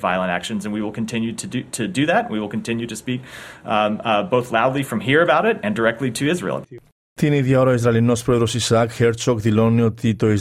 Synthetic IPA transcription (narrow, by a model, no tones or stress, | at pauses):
va̰ɪlˠə̃ɾæ̰kʃɨ̃nzɨ̃nwiwɪlˠkʰɨ̃n̩tʰɪ̃njʉɾɨɨɾʰɨdɨðætn̩wiwəlˠkntʰɪ̃njʉɾɨspik | boʊθlaʊdˡlifɹʌ̃mɦiɹɨbaʊɾɪɾɨ̃ndə˞ɛk̚tˡliɾɨɪzɹḭl̩ˠ | t̪iniðjɐoɾɐoizɾɐlino̞spɾoeðɾo̞sisɐkxeɾt͡soɡðilo̞neot̪it̪o̞iz